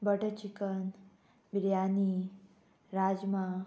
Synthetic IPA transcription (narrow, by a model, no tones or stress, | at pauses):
bəʈət͡ʃikən | biɾjani | ɾad͡ʒma